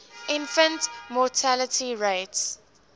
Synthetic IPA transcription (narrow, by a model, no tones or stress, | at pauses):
ʔɪ̃nfə̃ntmɔtʰalətʰiɹeɪts